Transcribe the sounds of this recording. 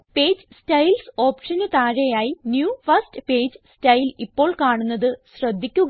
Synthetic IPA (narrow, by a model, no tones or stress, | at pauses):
pe̞ːd͡ʑɨstɐjlso̞ːpʂɐnɨt̪aːɻɐjaːjinjuːfɐstɨpeːd͡ʑstɐjilipːo̞ːɭkaːɳunːɐðɨɕrɐd̪ʱːikʲːuɣ